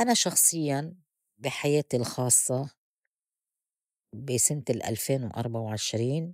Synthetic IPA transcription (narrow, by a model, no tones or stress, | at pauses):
ʔanaʃɑxsˤɨjːan | bɪħajeːt̪ilxɑːsˤːɑ | bisɪnt̪ɪlʔa̰lfeːnwʔɑ̰ɾˤbaʕawʕɪʃɾiːn